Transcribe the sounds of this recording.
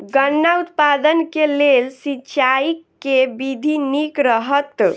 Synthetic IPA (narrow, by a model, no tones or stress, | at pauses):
ɡənːaut̪pad̪ənkelelsit͡ʃaikːebid̪ʱinikɾəɦət̪